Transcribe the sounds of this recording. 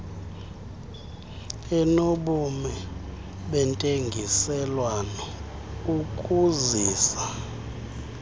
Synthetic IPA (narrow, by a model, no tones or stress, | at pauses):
ɛnoɓumɛ | ɓɛntʼeŋɡʱisɛlwanɔ | ukʼuziːsa